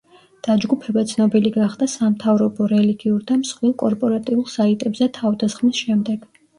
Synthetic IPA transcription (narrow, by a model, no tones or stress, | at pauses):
d̪̥ad͡ʒɡupʰɛbat̪sʰnɔbiliɡaχd̪asamt̪ʰavɾɔbɔɾɛliɡiuɾd̪amsχwilˠkʼɔɾpʼɔɾat̪ʼiulˠsait̪ʼɛbzɛt̪ʰavd̪asχmisʃɛmd̪ɛɡ̥